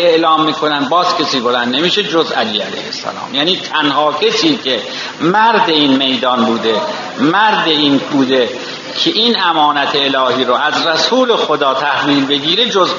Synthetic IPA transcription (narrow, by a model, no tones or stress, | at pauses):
eʔlɒːmːiːkʰonænd̪̚bɒːzkʰʲesiːbod̪ænnemiːʃed͡ʒozʔæliːæ̰læ̰jhḛsːæ̰lɒ̰ːmjæːniːt̪ʰænhɒːcʰesiːcʰe | mæɾd̪eiːnme̞jd̪ɒːnbuːd̪e̞ | mæɾd̪eiːnbuːd̪e | kʰeʔiːnæmɒːnæt̪ʰeːlɒːɦiːɾoæzɾæsuːlexod̪ɒːt̪ʰæhviːlbe̞ɡiːɾed͡ʒoz